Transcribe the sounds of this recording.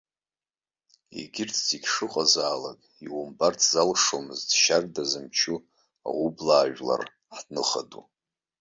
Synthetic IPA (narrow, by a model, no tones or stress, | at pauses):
ḛɡʲɪrtʰziɡʲʂɨqʼazaːlakʼiwumbartʰzalʂomɨztʃardazɨmt͡ʃʰu | a̰wublaːʒʷᶣla̰r | ħdnɨχadu